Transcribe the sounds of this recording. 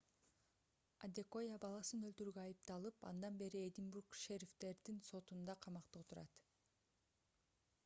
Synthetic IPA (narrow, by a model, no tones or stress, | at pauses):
ad̪ʲeko̞jabɑlˠɑsɯnølt̪yɾyːɡøɑjɯp̚t̪ɑlˠɯpɑ̰nd̪ɑnbe̞ɾied̪ʲinbuɾkʃeɾʲift̪e̞ɾd̪inso̞t̪und̪ɑqʰɑmɑqt̪ɯt̪ʰuɾɑ̰t̪